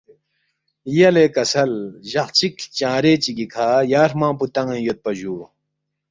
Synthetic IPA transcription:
jɐleːkɐsɐlʑɐχt͡ɕikt͡ɕãːɾeːt͡ɕiɡikʰaːjaːɾmãːput̪ɐ̃ŋĩjot̪̚pɐʑuː

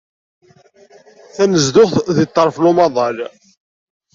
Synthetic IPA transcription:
θænəzd̪ʊχθðit̪ˤːəɾˤflʊmɑðˤɑl

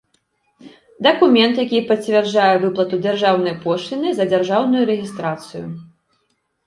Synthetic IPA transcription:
d̪ɐkumʲɛnt̪jakʲipɐt͡sʲvʲɛrd͡zajɛvɨplˠɐt̪ud͡zʲarʐawnɐjpɔʂlʲinɨzɐd͡zʲarʐawnujuɾɛɣʲist̪ɾat̪sɨjṵ

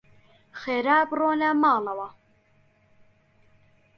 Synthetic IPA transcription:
xeːɾaːbroːnamɑːlɐwɐ

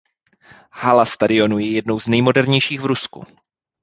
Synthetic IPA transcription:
halast̪adɪo̞nujɛjɛdnowznɛjmo̞dɛɾɲɛjʃiːɣvɾuskṵ

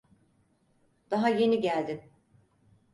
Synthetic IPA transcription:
d̪̥aɦaje̞niɟælʲd̪im

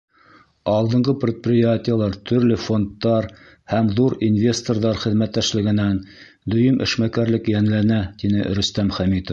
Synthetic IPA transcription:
ɑlˠd̪ɤ̆ɴɢɤpɾʲɪt̪̚prʲɪjatʲɪjəlˠɑɾt̪ʰɵ̆ɾlɘfo̞nt̪ːɑɾ | hæmðuɾinvʲe̞st̪orðɑɾχɘ̆ðmæt̪ːæʃlɘ̆ɡɘ̆næn | d̪ɵ̆jɘmʔɘ̰̆ʃmækæɾlɘkjænlænæt̪inɘ̰ʔ̆ɾɵ̆st̪æmχæmit̪of

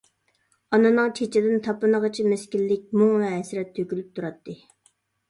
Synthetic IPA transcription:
ɑnɨnɨŋt͡ʃʰet͡ʃʰɪd̪ɪnt̪ʰɑpɨnəʁət͡ʃʰimeskʲilːɪk̚ʲmuŋvɛɛsɾɛt̪ʰːøkʲylyp̚t̪ʰuɾɑt̪ʰːɨ

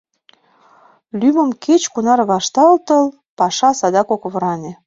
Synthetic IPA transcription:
lymə̆mkʰet͡ɕkunɑrβɑʃt̪ɑlt̪əl | pɑʃɑsɑd̪ɑkokβɤɾɑnʲĕ

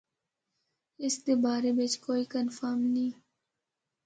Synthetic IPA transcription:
ɪst̪eːbaːɾebɪt͡ʃkoːiːkənfaːmnĩː

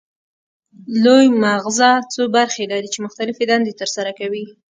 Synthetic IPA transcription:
lojmaɣzat͡sobaɾxed̪ɑd̪it͡ʃemʊxt̪alɪfed̪and̪et̪əɾsaɾakawi

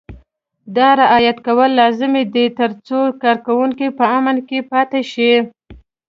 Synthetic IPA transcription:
d̪ɑɾɪʔɑjat̪kawəlːɑzɪmed̪et̪əɾt͡sokɑɾkawuŋkipəamənkepɑt̪eʃi

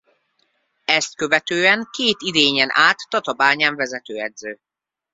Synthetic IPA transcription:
ɛst̪̚kø̞vɛt̪øːɛŋkeːt̪id̪eːɲɛnʔaːt̪ːɒt̪ɒbaːɲaːɱvɛzɛt̪øːɛd̪zøː

